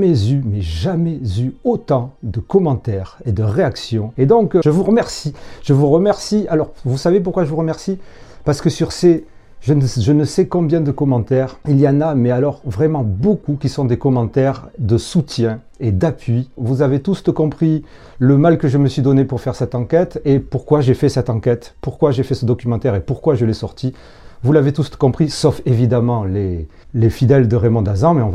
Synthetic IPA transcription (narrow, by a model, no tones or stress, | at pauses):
mɛzymɛʒamɛzyot̪ɑ̃d̪əkɔmɑ̃t̪ɛʁed̪əʁeaksjɔ̃ed̪ɔ̃kʒəvuʁəmɛʁsiʒəvuʁəmɛʁsialɔʁvusavep̬uʁkwaʒəvuʁəmɛʁsi | paʁsə̥kəsyʁse | ʒənʒənəsɛkɔ̃bjɛ̃d̪əkɔmɑ̃t̪ɛʁiljanamɛalɔʁvʁɛmɑ̃bokukʲisɔ̃d̪ekɔmɑ̃t̪ɛʁd̪əsut̪jɛ̃ | ed̪apɥivuzavet̪ust̪əkɔ̃pχi | ləmalkəʒəməsɥid̪ɔnepuʁfɛʁsɛt̪ɑ̃kɛt̪epuʁkwaʒefɛsɛt̪ɑ̃kɛt̪puʁkwaʒefɛsəd̪ɔkʲymɑ̃t̪ɛʁepuʁkwaʒəlɛsɔʁt̪i | vulavet̪uskɔ̃pχisɔfevid̪amɑ̃le | lefid̪ɛld̪əʁemɔ̃d̪azɑ̃mɛɔ̃v